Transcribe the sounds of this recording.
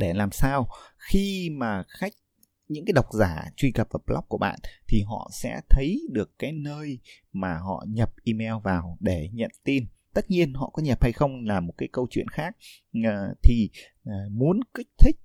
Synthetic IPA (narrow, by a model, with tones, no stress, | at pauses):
ɗe˧˩laː˨˩msaː˧wxi˧maː˨˩xa˦˥jk̟̚ | ɲɨ̰˧˥ŋkaː˨˦jɗa˨˩wk͡p̚zaː˧˩t͡ɕwi˧kə˨˩p̚vaː˨˩plɔ˦˥k͡p̚ku˧˩əɓa̰ː˧˨nt̪ʰi˨˩ɦɔ̰˧˨sɛ̰˧˥t̪ʰə˨˦jɗɨ˨˩əkːaː˨˦jnəː˧j | maː˨˩ɦɔ̰˧˨ɲə˨˩p̚ʔi˧mɛ˧wvaː˨˩wɗe˧˩ɲə̰˧˨nt̪i˧n | t̪ə˦˥t̚ɲi˧ənɦɔ̰˧˨kɔ˨˦ɲə˨˩p̚ha˧jxə˧wŋ͡mlaː˨˩mo˨˩t̚kaː˨˦jkə˧wt͡ɕwḭ˧˨ənxaː˦˥k̚ː | t̪ʰi˨˩ | mu˨˦ənki˦˥k̟̚t̪ʰï˦˥k̟̚